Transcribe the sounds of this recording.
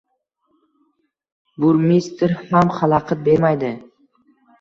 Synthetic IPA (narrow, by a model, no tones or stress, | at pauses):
bʊɾmist̪ɾhamχɑlˠɑqʰɨt̪̚be̞ɾmajd̪ɪ